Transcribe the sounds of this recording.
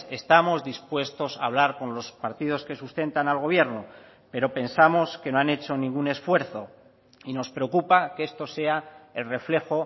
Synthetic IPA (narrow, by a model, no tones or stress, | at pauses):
e̞st̪amo̞zðispwe̞st̪o̞sa̰ːβ̞laɾko̞nlo̞spaɾt̪ið̞o̞ske̞sust̪e̞nt̪analɣ̞o̞β̞je̞ɾno̞ | pe̞ɾo̞pe̞nsamo̞skenoane̞t͡ʃo̞nĩŋɡune̞sfwe̞ɾθo̞ | inospɾe̞o̞kupake̞st̪o̞se̞ae̞lre̞fle̞xo̞